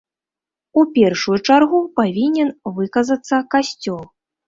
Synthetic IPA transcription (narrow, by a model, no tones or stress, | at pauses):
upʲɛrʂujut͡ʂarɣupavʲinʲɛnvɨkɐzɐt̪sːɐkasʲt͡sʲɔlˠ